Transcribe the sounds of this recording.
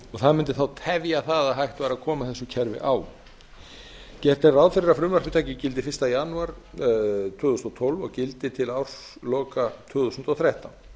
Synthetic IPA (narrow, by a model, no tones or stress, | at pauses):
ɔɣθaðmɪnt̪ɪ̥θawt̪ʰɛvjaθaðaðɦajht̪vaːɾaðkʰɔːmaθɛsːʏcʰɛɾvɪ̰ʔaːw | cɛht̪ɛrawðfɪɾɪɾafɾʏmvarpʏt̪ʰaːcɪcɪlt̪̬ɪfɪ̥st̪ajanʏaɾ̥ | t̪ʰœːɣðust̪ɔt̪ʰolvɔɣcɪlt̪ɪt̪ʰɪlawr̥s | lɔːkat̪ʰʏːɣðusʏnt̪ɔɣθɾajht̪awn